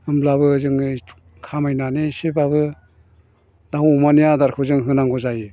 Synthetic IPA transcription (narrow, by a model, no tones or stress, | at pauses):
ɯmblaβɯzɯŋ | kʰamajnanesibabɯ | daɦumanijadaɾkʰɯzɯŋɦɯnaŋɡɔzaji